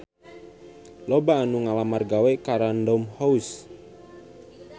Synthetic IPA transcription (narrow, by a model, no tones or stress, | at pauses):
lobaːnuŋalamarɡawekaɾandɔmhɔus